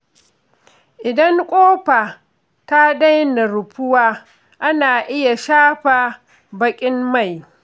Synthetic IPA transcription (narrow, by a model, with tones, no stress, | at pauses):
ʔɪ˨dɐ˦ŋkʷʼoː˦ɸa˨ | ta˦da˦jna˨ɾʊ˨ɸʊ˦waː˦ | ʔa˦naː˨ʔɪ˦ja˨ʃaː˦ɸa˨ | bɐ˦kʲʼɪ˦mma˦˨j